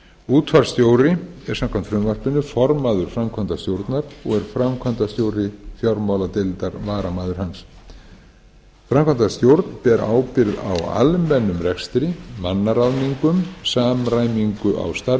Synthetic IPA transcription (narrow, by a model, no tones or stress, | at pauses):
uːt̪ʰfaɾ̥st̪joːwɾɪɛɾ̥samkʰamnt̪fɾʏmvar̥pʏnːʏfɔɾmaːðʏɾ̥fɾamkʰvant̪ast̪jowɾt̪naɾɔɣɛɾ̥fɾamkʰant̪ast̪jowɾɪθjɔɾmawlat̪ɪlt̪aɾvaːɾamaːðʏɾ̥hans | fɾamkʰant̪ast̪jowɾt̪npɛɾʔa̰ːwpɪɾða̰wa̰lmɛnːʏmrɛkst̪ɾɪmanːaɾaðniŋkʏmsaːmɾaːjmiŋkʏʔa̰wst̪aɾ